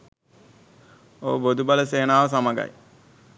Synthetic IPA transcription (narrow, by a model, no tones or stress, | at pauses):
oːbod̪ʱubɐlɐseːnaːʋɐsɐmɐɡɐ̰j